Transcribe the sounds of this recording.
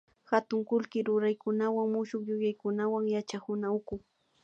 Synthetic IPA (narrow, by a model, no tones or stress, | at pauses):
xat̪ʊŋkʊlkɪɾʊɾajkʊnawaŋmʊʃʊkjʊjajkʊnawaŋjat͡ʃahʊnaʊkʊ